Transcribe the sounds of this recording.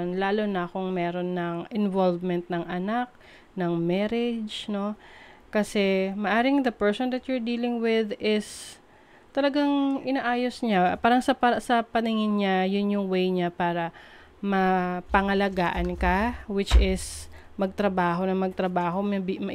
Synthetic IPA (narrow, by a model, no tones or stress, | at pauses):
nlaːlo̞nɐkʊŋmɛːɾo̞nːɐŋʔɪnvolvmɛnt̪̚nɐŋʔɐnak̚ | nɐŋmɛɾɛd͡ʒno̞kɐsɛmɐʔaːɾɪŋd̪ɐpɛɹsond̪ɐt̪̚jʊɹd̪iːlɪŋwɪðɪs | t̪ɐlɐɡaŋʔɪnaʔaːjo̞sɲapaːɾɐŋsɐpɐsɐpɐnɪŋɪnɲajʊnjʊŋwejɲapaːɾɐ | mɐpɐŋɐlɐɡaːʔɐnkɐwɪt͡ʃʔɪs | mɐɡ̚t̪ɾɐbaːɦo̞nɐmɐɡ̚t̪ɾɐbaːɦo̞mbmɐ